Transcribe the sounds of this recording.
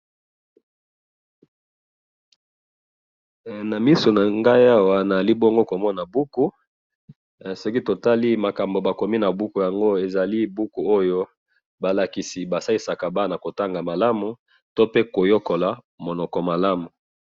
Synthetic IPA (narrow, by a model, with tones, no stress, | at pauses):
na˨mi˦so˨na˨ŋɡa˦ja˦wa˨na˨za˨li˦bɔ˦ŋɡo˦ko˨mɔ˦na˨bu˦ku˦˨ | so˦ki˦to˨ta˦li˦ma˨ka˨mbo˨ba˨ko˨mi˦na˨bu˦ku˨ja˨ŋɡo˦e˨za˨li˦bu˦ku˨o˦jo˦ | ba˨la˨ki˨si˨ba˨sa˦i˦sa˨ka˨ba˦na˨ko˨ta˦ŋɡa˨ma˨la˦mu˨ | to˦pe˦ko˨jo˦ko˨la˨ | mo˨nɔ˨kɔ˨ma˨la˦mu˨